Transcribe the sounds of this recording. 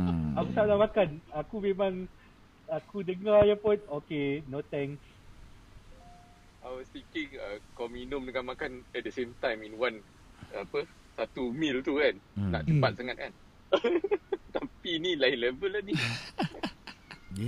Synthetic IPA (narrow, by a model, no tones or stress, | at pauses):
akusalamakanakumemãŋ | akudəŋajapʊnokenot̪ɛ̃ŋs | ajwɔst̪ikiŋəkɔminũmduŋãnmakanɛt̚dəsẽmt̪ãjmĩnwãn | apə | sat̪umilt̪ukanna̰ʔt͡ʃəpat̪̚saŋat̪̚kan | t̪apinilainlɛvəlani